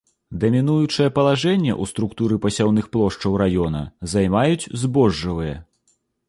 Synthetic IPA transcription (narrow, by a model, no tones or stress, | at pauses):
d̪ɐmʲinujut͡ʂɨjɐpɐlˠaʐɛnʲːɛ̰ʔust̪ɾukt̪uɾɨpɐsʲawn̪ɨxplˠɔʂt͡ʂɐwɾajɔnɐ̰zajmajut͡sʲzbɔʐːɐvɨjɐ̰